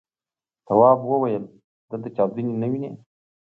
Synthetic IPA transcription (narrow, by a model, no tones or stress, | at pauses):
t̪awɑːbwəwajəl | d̪əlt̪at͡ʃawd̪ininawine